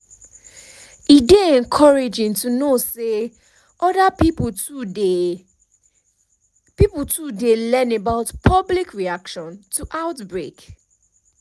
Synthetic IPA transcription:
ideɛ̃nkʰɔɹed͡ʒɪ̃ŋtʰunose | ʔɔdapip | piputʰudelɛ̃nebaʊtpʰɔblikʰɹiakʃɔ̃ntʰuʔaʊtbɹek

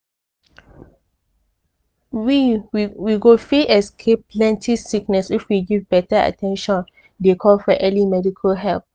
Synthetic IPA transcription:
wiwiɡofiɛskʰep̚plɛ̃ntʰisiknɛsifwiɡivbɛtəa̰tʰɛ̃nʃɔ̃n | dekʰɔlfɔʔɛlimɛdikʰəlɦɛlp̚

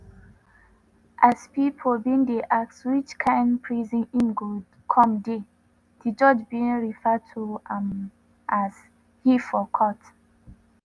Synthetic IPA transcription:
ʔaspipʰobĩndeʔakswit͡ʃkʰãɪ̃npʰɹizĩnĩnɡo | kʰɔ̃mde | did͡ʒɔd͡ʒbiĩnɹifɛtʰuam | ʔaz | hifɔkʰɔt

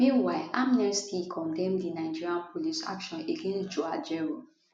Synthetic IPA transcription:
mĩnwaɪʔamnɛstʰikʰɔ̃ndɛ̃mdinaɪd͡ʒiɹiãnpʰolisa̰kʃɔ̃neɡẽnsd͡ʒoad͡ʒɛɹo

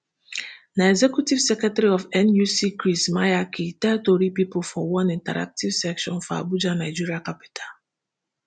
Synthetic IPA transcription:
naɛzɛkjutiv̥sɛkɛtɛɾiɔvɛ̃njusikɾismajakʰitɛtoɾipipolfɔwɔ̃nĩntaɾa̰k̚tivsɛkʃɔ̃nfɔa̰bud͡ʒanaɪd͡ʒiɾiakapi̥tʰal

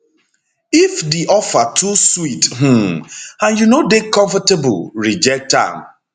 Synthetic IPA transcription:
ifdiʔɔfatʰuswitɦ̩ãnjunodekɔ̃ɱfateb̰lɹid͡ʒɛk̚tã̰m

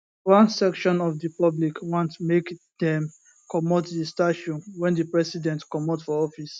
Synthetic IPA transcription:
wãnsɛkʃɔ̃nɔfdipablikwɔ̃ntmek | d̪̥ɛ̃m | kʰɔmotdistaʃɔ̃nwɛ̃ndəpɹɛsidɛ̃ntkɔmɔtfɔɔfis

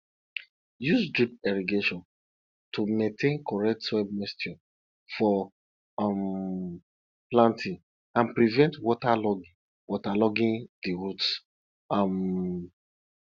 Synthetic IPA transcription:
jusd͡ʒip̚ɛɹiɡeʃɔ̃n | tʰumẽntʰẽnkɔɹɛk̚tswɛb̚mɛstɔ | fɔ | m | plãntʰĩŋ | ãnpɹivɛ̃ntwɔtalɔɡĩ | wʔɔtalɔɡĩndiɹuts | am

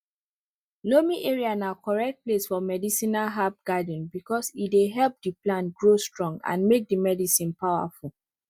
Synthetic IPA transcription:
lomiʔeɹiãnakɔɹɛk̚t̚plesfɔmɛdisĩnaɦap̚ɡadə̃nbikɔsideɦɛlˠp̚diplãnɡɹostɹɔ̃ŋɡã̰nmek̚dimɛdisĩnpaʊa̰ful

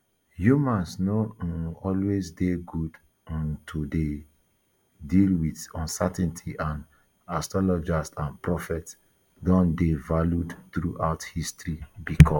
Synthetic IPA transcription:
jumãnsnɔɔlwezdeɡud | ãntʰude | dilwiθɔ̃nsɛtɛ̃ntʰiʔãn | astɹɔlɔd͡ʒastãnpɹɔfɛts | dɔ̃ndevaljudθɹuʔaʊthistɹibikʰɔ

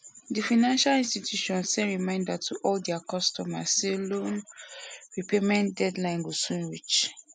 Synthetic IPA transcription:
difaɪnãnʃalĩnstitʰjuʃɔ̃nssɛ̃nɹimãɪ̃ndatʰuʔɔldɛakɔstɔmaselõn | ɹipemɛ̃ndɛdlãɪ̃nɡosũnɹit͡ʃ

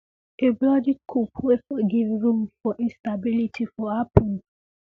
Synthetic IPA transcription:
eblɔdikʰupʰwefɔɡivɹũmfɔʔĩnstabilitʰifɔhapʰɔ̃n

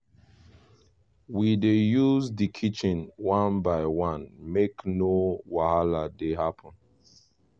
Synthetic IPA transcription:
widejuzdikʰit͡ʃĩnwãnbaɪwãnmeknowahaladeɦapʰɔ̃n

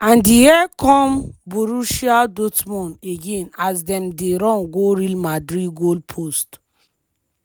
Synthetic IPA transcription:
ãndijɛkʰɔ̃mboɾuʃiadotmɔ̃neɡẽnasdɛ̃mdeɾɔ̃nɡoɾilmadɹid̚ɡolpʰost

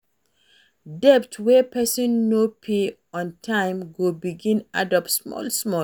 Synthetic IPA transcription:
dɛptwɛpʰɛsɔ̃nːopʰe | ɔ̃ntʰãɪ̃mɡobiɡĩnadɔpsmɔ̰lsmɔ

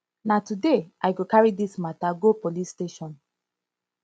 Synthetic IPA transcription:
natudeʔaɪɡokaɹidismataɡopolisteʃɔ̃n

